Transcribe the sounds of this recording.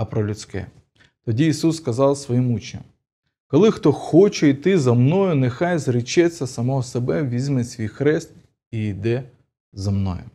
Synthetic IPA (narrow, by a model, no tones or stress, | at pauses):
ɐpɾɔlʲʊt͡sʲkɛ̰ | t̪ɔdʲiːsusːkɐzɑlˠsʋɔjimut͡ʃnʲɐ̰m | kɔlˠɪxt̪ɔxɔt͡ʃɛit̪ɪzɐmnɔjʊnɛxɑjzɾɪt͡ʃɛt͡sʲːɐsɐmɔɦɔsebɛʋʲizʲmɛsʲʋʲijxɾɛst̪̚ | iid̪ɛ | zɐmnɔ̰jʊ